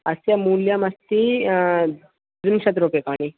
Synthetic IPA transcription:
ɐsjamuljamɐst̪i | d͡zumɕɐt̪ɾopekaɳ̃i

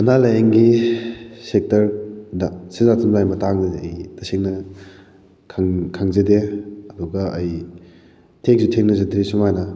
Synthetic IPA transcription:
mɐnalɐjeŋɡi | sek̚tɐɾdɐsizatumdajmɐtaŋnɐdeɐjtɐseŋnɐ | kʰaŋkʰaŋzedeɐduɡɐʔɐj | tʰeŋksutʰeŋnɐzɐdʰɾisumajnɐ

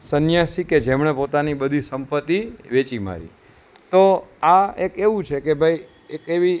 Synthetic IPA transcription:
sənjasiked͡ʒemɳ̃epot̪aniɓəd̪ʱisəmpət̪ːiʋet͡ʃima̰ɾḭ | t̪oaekeʋũt͡ʃʰekebʱaj | ekeʋi

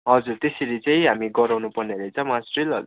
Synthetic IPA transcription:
ɦʌd͡zurt̪eseɾit͡saĩɦamiɡʌɾawnupʌrneɾet͡sʰʌ̃masrilɦʌ̰d͡zu

